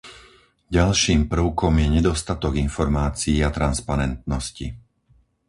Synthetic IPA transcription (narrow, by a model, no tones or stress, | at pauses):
ɟalʃiːmpr̩ʊkɔmjɛɲɛd̪ɔst̪at̪ɔɡinfɔɾmaːt͡siːat̪ɾanspaɾɛnt̪̚nɔscḭ